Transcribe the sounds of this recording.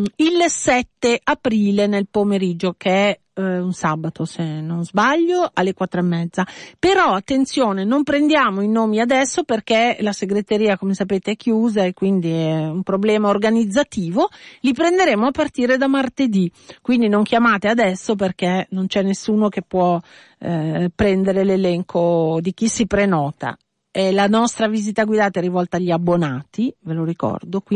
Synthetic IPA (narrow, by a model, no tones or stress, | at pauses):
ilsɛt̪ːeʔapɾiːlenelpomeɾid͡ʒːokeɛ | unsabat̪osenonzbaʎːoalːekwat̪ːɾoemːɛd̪zːapeɾɔat̪ːent̪sjoːnenompɾend̪jaːmoinoːmiad̪ɛsːoperk̟elaseɡɾet̪eɾiːakomesapeːt̪eɛkːjuːzaekːwind̪iɛumpɾoblɛːmaorɡanid̪zːat̪iːvolipɾend̪eɾeːmoapːart̪iːɾed̪amart̪ed̪ikwind̪inoŋkjamaːt̪ead̪ɛsːoperk̟enont͡ʃɛnːesːuːnokepːwɔ | pɾɛnd̪eɾelelɛŋkʰod̪ik̟isːipɾenɔːt̪a̰ | ɛlanɔst̪ɾaviːzit̪aɡwid̪aːt̪aɛrːivɔlt̪aːʎːiabːonaːt̪iveloɾikɔ̰rd̪ok